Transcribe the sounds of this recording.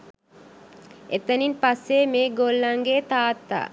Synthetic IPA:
ʔet̪əninpasːeːmeːɡolːaŋɡeːt̪aːt̪ːa̰ː

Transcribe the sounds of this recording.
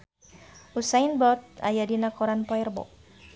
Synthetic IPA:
usainbɔt̪̚a̰jadinakɔɾanpɔɛrbɔ̰k̚

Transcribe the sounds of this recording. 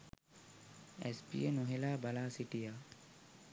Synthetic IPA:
ḛspḭjenoɦelaːbalaːsiʈija

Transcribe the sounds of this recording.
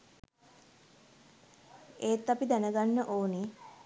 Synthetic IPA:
eːt̪ːapid̪ænəɡanːəʔoːne

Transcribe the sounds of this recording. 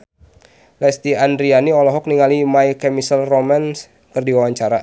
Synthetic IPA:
lɛst̪iandɾianiɔlɔɦɔk̚niŋalimajkɛmisəlromans | kɨrdiwawaɲt͡ʃaɾa

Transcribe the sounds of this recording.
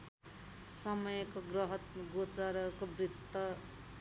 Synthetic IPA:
sʌmʌjʌkoɡrʌɦʌt̪ɡot͡sʌɾʌkobrit̪ːʌ

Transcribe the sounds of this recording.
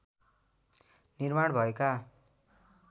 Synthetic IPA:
nirmaɽbʱʌeka

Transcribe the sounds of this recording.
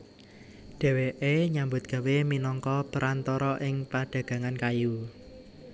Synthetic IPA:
ɖ̥e̤weʔeɲambʊt̪̚ɡ̥a̤weminɔŋkɔpəɾʔant̪ɔɾɔʔɪŋpaɖ̥ä̤ɡ̥ä̤ŋankaju

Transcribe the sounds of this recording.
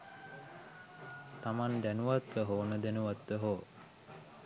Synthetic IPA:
t̪amand̪ænuʋat̪ʋəɦoːnəd̪enuʋat̪ʋəɦoː

